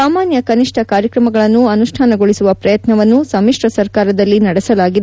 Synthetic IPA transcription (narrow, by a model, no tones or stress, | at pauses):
aːmaːnjɐkɐniʂʈʰɐkaːɾjɐkɾɐmɐɡɐɭɐnːuɐnuʂʈʰaːnɐɡoɭisuʋɐpɾɐjɐt̪nɐʋɐnːusɐmiʂɾɐsɐɾkaːɾɐd̪ɐlːinɐɽɛsɐlaːɡid̪